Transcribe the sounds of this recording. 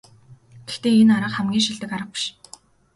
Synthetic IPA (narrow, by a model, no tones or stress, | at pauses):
ɡ̥ext̪eːenaɾə̆qχæmɡʲiːŋʃiɮt̪ɘ̆kaɾə̆χ̚pi̥ʃ